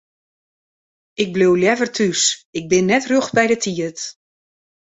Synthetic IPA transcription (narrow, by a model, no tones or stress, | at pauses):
ɪɡ̚blowljɛvərtʰysɪk̚bɪnːɛtrøxbɛjdətʰiət